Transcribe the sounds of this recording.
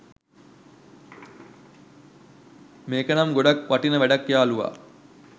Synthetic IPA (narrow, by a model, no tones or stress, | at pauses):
meːkənamɡoɖakʋaʈinəʋæɖɐkːjaːluʋa̰ː